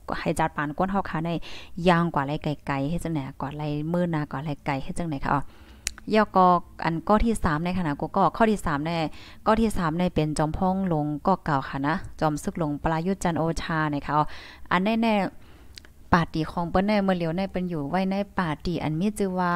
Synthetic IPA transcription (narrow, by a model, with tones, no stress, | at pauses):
ha˨˩jt͡ɕa˧˩t̪̚paː˨nku˧˥ənɦa˧˩wkʰaː˧˩na˧˥˩jjaː˧ŋkwaː˨˩la˧˩jka˨˩jka˨˩jhe˧˩t͡ɕa˧ŋna˨˩˨ʔkwaː˨˩la˧˩jmɯː˧˩naː˧kwaː˨˩˨la˧˩jka˨˩jht̚a˧ŋna˨˦jkʰa̰˧˩ʔɔ˧˩ | jɛː˧˩kɔː˧ʔa̰˨nkɔː˧˩t̪ʰiː˧˥˩saː˨˦mna˧jkʰa˧na˧˩kuː˧˦kɔː˧˩kʰɔ˧˩t̪ʰiː˧˨saː˨˦mnɛː˧˩ | kɔː˧˩t̪ʰiː˧˥˩saː˨˦mna˧˩jpe˨nt͡ɕɔː˨˦mpʰɔː˧˥˨ŋlo˨˧˦ŋkɔː˧˩ka˨˩wkʰa˧˩na˧˥t͡ɕɔː˨˧˦msɯ˧˩k̚lo˧˦ŋpa˧laː˧ju˧˥t̪̚t͡ɕa˧nʔoː˧t͡ɕʰaː˧na˧˩jkʰa˧˩ʔɔ˧˩ʔa̰˨nːa˧˨jnɛː˧˩˨ | paː˨˩t̪̚ːiː˨˩kʰɔː˨˦ŋpɤː˧˦nːɛː˧˩mɯ˧˨li˨˦wna˧˩˨pe˨njuː˨˩wa˧˥˨jna˧˥˨jpaː˨˩iː˨˩ʔa̰˨nmiː˧˥˨t͡ɕɯ˧waː˧